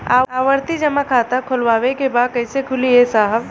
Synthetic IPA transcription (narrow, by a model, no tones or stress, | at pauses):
a̰ːaːʋəɾt̪id͡ʒɐmakʰaːt̪akʰʊlʋaːwekebaːd̪̚kɐɪsekʰʊliesaːɦəb